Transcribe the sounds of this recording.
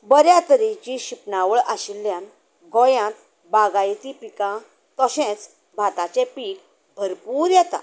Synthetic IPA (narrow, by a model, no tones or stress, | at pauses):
bəɾjãt̪əɾit͡ɕiɕipnaʋəɭʔaɕilːjãn | ɡɔjãt̪ | baɡajt̪ipikã | t̪ɔɕɛ̃t͡s | bʱat̪at͡ɕɛ̃piːk | bʱəɾpuːɾjɛt̪a̰